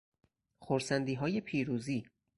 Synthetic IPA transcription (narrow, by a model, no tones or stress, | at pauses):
xoɾsænd̪iːɦɒːje̞pʰiːɾuːziː